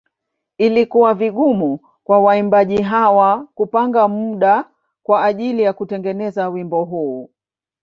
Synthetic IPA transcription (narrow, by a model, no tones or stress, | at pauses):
ilikuwaviɠumu | kwawaimbaʄiɦawakupaŋɡamuɗa | kwaːʄilijakutɛŋɡɛnɛzawimbɔɦuː